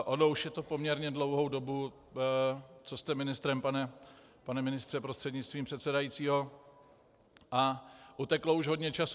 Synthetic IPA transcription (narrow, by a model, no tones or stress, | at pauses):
ʔonouʃjɛt̪o̞pomɲɛɾɲɛdlo̞wɦowdo̞bu | t͡sost̪ɛmɪnɪst̪ɾɛmpanɛ | panɛmɪnɪst̪r̥ɛpɾost̪r̥ɛdɲɪt͡st̪viːmpr̥ɛt̪sɛdajiːt͡siːɦo̞ | ʔaʔut̪ɛklouʒɦo̞dɲɛt͡ʃas